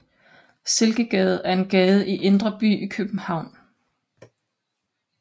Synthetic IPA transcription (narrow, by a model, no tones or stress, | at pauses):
se̝lɡ̥əɡ̥ɛːð̞̩ˠæɐe̝nɡ̥ɛːð̞ˠəʔiʔe̝nd̥ʁɐb̥y̰ːikʰøb̥n̩hɑ̈ʊ̰n